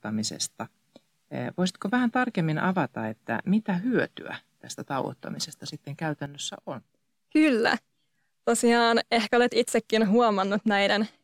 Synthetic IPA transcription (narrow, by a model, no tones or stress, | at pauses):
ɑmisḛst̪ɑ | ʋoisit̪koʋæhænt̪ɑrkemːinʔɑʋɑt̪ɑet̪ːæ̰mit̪æhyøt̪y̰æ̰t̪æst̪æt̪ɑuwo̰t̪ːɑ̰misest̪ɑsit̪ːeŋkæyt̪ænːøsːæ̰ʔon | kylːæ̰ | t̪osiɑːnehkæolet̪it̪sekːinhuomɑnːut̪næiden